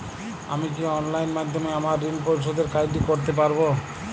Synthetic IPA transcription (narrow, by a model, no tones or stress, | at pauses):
a̰mik̬iɔnlajnmad̪ʱːomeamaɾːinpoɾiʃ̬od̪eɾkajdikoɾt̪ep̬aɾbo